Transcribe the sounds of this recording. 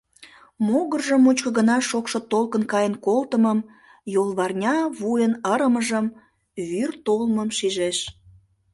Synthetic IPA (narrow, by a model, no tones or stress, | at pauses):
moɣərʒəmːut͡ɕkə̆ɣənɑʃokʃot̪olkənkɑjənkolt̪əməm | jolˠβɑrnʲɑβujənəɾəməʒəm | βyrt̪olməmʃiʒeʃ